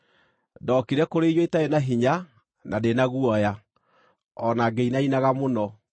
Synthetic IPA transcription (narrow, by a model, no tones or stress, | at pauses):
dɔkiɾɛkoɾejɔetaenaɦiɲa | nadenaɣuɔja | ɔnaɡeinainaɣamonɔ